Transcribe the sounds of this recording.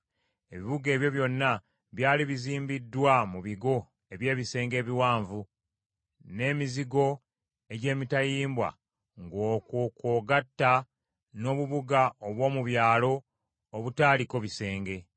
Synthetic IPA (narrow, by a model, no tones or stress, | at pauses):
e̞βiβuɡe̞ːβjo̞βjo̞nːa | βjaːliβiziːmbidːwamuβiɡo̞ | e̞βje̞ːβise̞ːŋɡe̞ːβiwaːɱvu | ne̞ːmiziɡo̞ | e̞ɟe̞ːmitajiːmbwa̰ | ŋɡoːkukoːɡatːa | no̞ːβuβuɡaoβwo̞ːmuβjaːlo̞ː | βutaːliko̞βise̞ːŋɡe̞